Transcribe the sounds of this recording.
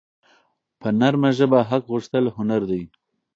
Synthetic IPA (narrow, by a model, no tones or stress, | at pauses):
pʰənaɾmaʒəbaɦaqɣuʂt̪əlɦʊnaɾd̪aj